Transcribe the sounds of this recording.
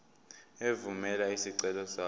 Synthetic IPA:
evumɛlaisiǀɛlɔsaː

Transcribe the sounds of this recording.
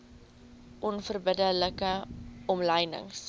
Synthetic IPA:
ʔɔnfərbədələkəɔmləjnə̰ŋs

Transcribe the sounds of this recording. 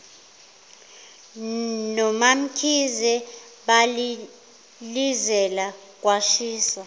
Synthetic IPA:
nɔmam̩kʰizɛ | ɓali | lizɛla | kʼwaʃiːsa

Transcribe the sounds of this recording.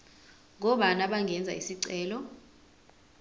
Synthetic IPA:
ŋɔɓanaɓaŋɡʱɛnd͡zʱa̰isiǀɛːlɔ

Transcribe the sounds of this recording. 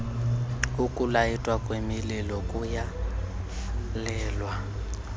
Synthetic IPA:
ukʼulajitʼwakʼwemililɔkʼuja | lɛːlwa

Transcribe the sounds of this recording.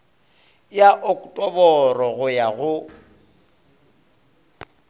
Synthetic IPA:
jaʔʊkʼtʼɔbɔrɔɣʊjaɣʊ

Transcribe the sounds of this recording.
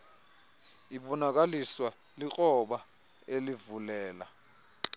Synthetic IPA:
iɓɔnak̬aliswa | lik͡xʼɔɓa | elivulɛːla̰

